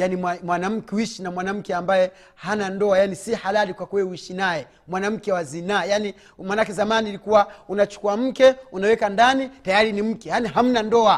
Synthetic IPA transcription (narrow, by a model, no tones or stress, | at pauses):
janimamwanam̩kɛuiʃinamwanam̩kɛambajɛ | hanandɔajanisihalalikwakuwɛuiʃinajɛ | mwanam̩kɛwazinajani | manakɛzamaniːɾikuwaunat͡ʃu̥kuam̩kɛunawɛkandanitajaɾinim̩kɛjaniɦam̩nandɔa